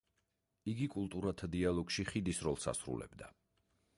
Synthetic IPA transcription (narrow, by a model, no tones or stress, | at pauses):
iɡikʼulˠt̪ʼuɾat̪ʰad̪ialˠɔɡʃiχid̪isɾɔlˠsa̰sɾṵlɛ̰bd̪a